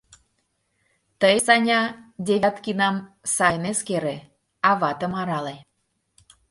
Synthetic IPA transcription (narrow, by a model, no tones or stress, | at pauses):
t̪əjsɑnʲɑd̪ʲevʲt̪kinɑmsɑjneskeɾe | ɑβɑt̪ə̆mɑɾɑle